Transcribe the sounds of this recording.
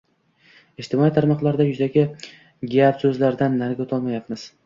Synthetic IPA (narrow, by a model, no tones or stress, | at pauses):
eʃt̪ʰɪmɒit̪ʰaɾmɒqlˠaɾd̪ajʊzaɡʲɪ | ɡʲap̪sɵzlaɾd̪anːaɾɡʲaʊt̪ʰɒlˠmajapmɪz̥